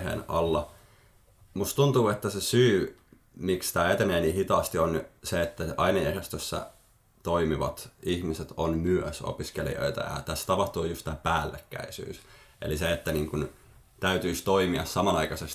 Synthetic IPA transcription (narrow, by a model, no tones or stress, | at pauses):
hḛːnɑ̰lːɑ | must̪t̪unt̪uːet̪ːæsesyː | mikst̪æːet̪eneːniːhit̪ɑːst̪ionseet̪ːæʔɑinɑeræst̪øsːæ̰ | t̪oimiʋɑ̰t̪içmiset̪onmyøso̰piskelḭo̰it̪ɑ̰jɑ̰t̪æsːt̪ɑpɑht̪uːjust̪æːpæːlːekːæ̰isy̰ːsʔḛliseet̪ːæniːŋkun | t̪æyt̪yist̪oimiɑ̰ssɑmɑnɑikɑses